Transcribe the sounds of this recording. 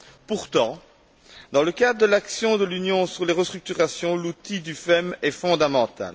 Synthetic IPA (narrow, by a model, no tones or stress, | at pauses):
puʁt̪ɑ̃ | d̪ɑ̃ləkad̪ʁəd̪əlaksjɔ̃d̪əlynjɔ̃syʁleʁəst̪χyk̚t̪yʁasjɔ̃lut̪id̪yfɛmɛfɔ̃d̪amɑ̃t̪a̰l